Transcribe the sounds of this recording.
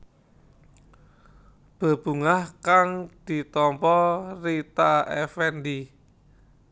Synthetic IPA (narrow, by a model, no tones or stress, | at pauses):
b̥a̤b̥ṳŋahkaŋd̪̥i̤t̪ɔmpɔrit̪aɛfɛnd̪i